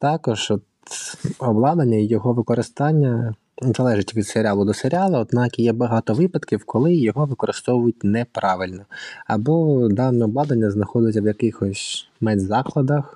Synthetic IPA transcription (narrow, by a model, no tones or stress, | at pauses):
t̪ɑkɔʒ̥ɔt̪ | ɔblˠɑd̪ɐnʲːɐijɔɦɔʋɪkɔɾɪst̪ɑnʲːɐ | zɐlˠɛʒɪtʲʋʲid̪seɾʲɑlˠʊd̪ɔseɾʲɑlˠɐɔd̪nɑkijɛbɐɦɑt̪ɔʋɪpɐd̪kʲiwkʰɔlˠɪjɔɦɔʋɪkɔɾɪst̪ɔʋʊjʊt̚ʲnɛpɾɑʋɪlʲnɔɐbɔd̪ɑnɛɔblˠɑd̪ɐnʲːɐznɐxɔd̪ʊjtʲːɐwjɐkɪxɔsʲ | mɛd̪ʲzɑklˠɐd̪ɐx